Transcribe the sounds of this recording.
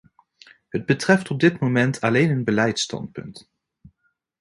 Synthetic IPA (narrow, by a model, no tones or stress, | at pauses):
ɦəd̚bətrɛftɔb̚dɪtmowmɛntʰɑlejnənbəlɛjtstɑ̰ntpɵ̰nt